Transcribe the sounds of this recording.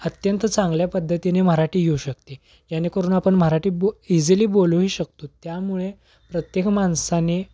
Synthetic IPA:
ət̪jənt̪t͡sãŋɡljapəd̪ʱːət̪inem̤əɾaʈʰiːɡʱeuɕəkt̪i | d͡ʑanekəɾuːnapəɳməɾaʈiːboid͡ziliːboluɦiːɕək̚t̪ot̪jamuɭe | pɾət̪jekmansane

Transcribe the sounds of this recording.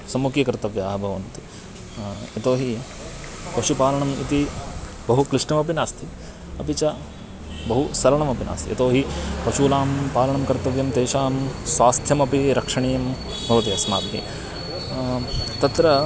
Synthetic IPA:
sɐmːukjɐkɾt̪ɐʋjaːɦɐbʱɐʋɐnt̪i | ɐt̪oːɦi | pɐʃupaːlɐɳɐmḭt̪i | bɐɦukɾɪʂɳɐmɐpinaːst̪ʰi | ɐpit͡ʃɐ | bɐɦusɐlɐɳɐmɐpina̰ːst̪ḭɐt̪oːɦipɐʃuːlaːmpaːlɐɳɐmkɐɾt̪ɐʋjɐmt̪eːʃaːmsʋaːst̪ʰjɐmɐpiɾɐkʂɐɳeːjɐm | bʱɐʋɐt̪iɐsma̰ːt̪nḭ | t̪ɐt̪ɾɐ

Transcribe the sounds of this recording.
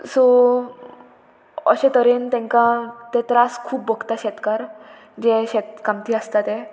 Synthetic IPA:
so | ə̰ɕẽt̪əɾent̪ɛ̃ŋkãt̪et̪ɾaskʰuːpbəɡt̪aɕɛt̪kaɾ | d͡ʑeɕɛt̪̚kamt̪iːəst̪at̪ẽ

